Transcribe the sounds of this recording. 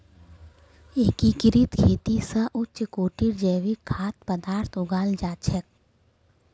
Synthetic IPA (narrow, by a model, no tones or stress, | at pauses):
eːkikɪɾit̪kʰeːt̪isaʔʊtt͡ʃʃkoːʈiɾd͡ʒɛːʋikʰːaːt̪pəd̪aːɾt̪ʰʊɡaːld͡ʒaːt͡ʃʰək̚